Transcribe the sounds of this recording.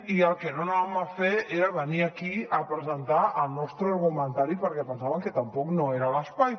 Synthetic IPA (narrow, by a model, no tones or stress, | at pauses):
iəlˠkenonaβamafeeɾaβəniakiəpɾəzənt̪aəlˠnɔst̪ɾəɾɣumə̃nt̪aɾipəɾkɛpənsaβəŋkət̪ampɔknoeɾaləspaj